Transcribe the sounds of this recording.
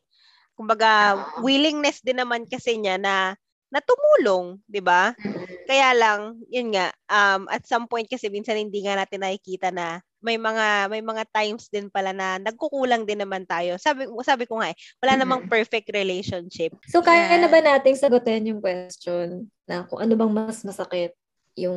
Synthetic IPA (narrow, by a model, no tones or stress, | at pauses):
kʊmbɐɡawiːlɪŋnɛsd̪ɪnːɐmankɐsɛɲanɐ | nɐt̪ʊmuːloŋd̪ɪbakɐjaːlɐŋjʊnŋaʔʔɐmʔɐ̰t̪̚sɐmpojnt̪̚kɐsɛmiːnsɐnhɪnd̪iːŋɐnaːt̪ɪnːɐhɪkiːt̪ɐnɐ | mɐjmɐŋamɐjmɐŋat̪ajmsd̪ɪnpɐlanɐnɐɡ̚kʊkuːlɐŋd̪ɪnːɐmant̪aːjo̞saːbɪsaːbɪkoŋaʔwɐlaːnɐmaŋpɛɹfɛk̚t̪ɾɛlɛjʃonʃɪp̚sokaːjɐnɐbɐnaːt̪ɪŋsɐɡot̪ɛnjʊŋkwɛst͡ʃonː | ɐkʊŋʔɐnobɐŋmɐsmɐsɐkɪt̪̚ | jʊŋ